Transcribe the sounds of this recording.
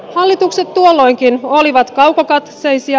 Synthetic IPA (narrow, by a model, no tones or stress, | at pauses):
hɑlːit̪ukset̪t̪uolːo̞jŋkinoliʋɑt̪kɑwkokɑt̪sejsi